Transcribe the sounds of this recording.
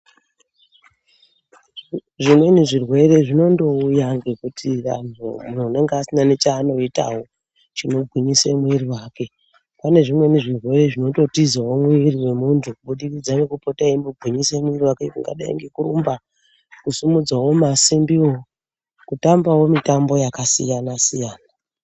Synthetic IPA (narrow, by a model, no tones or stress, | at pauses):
ʐimwe̞niʐirwe̞ɾe̞ʐino̞ndo̞ujaŋɡekutʰira̰n̤umun̤uune̞ŋɡeasinanet͡ʃaːno̞ita̰wo̞ | t͡ʃino̞bʱɣwiɲisemwiɾiwaːke̞ | pane̞ʐimwe̞niʐirwe̞re̞ʐino̞to̞tizawo̞mwiriwe̞muntʰukuɓuɗirid͡zanekupotaimbobʱwiɲisemiriwakeuŋɡa̰ɗa̰ḭŋɡekuɾumba | kusumud͡zwawo̞masimbio | kutambawo̞mitambo̞jakasijanasijaːna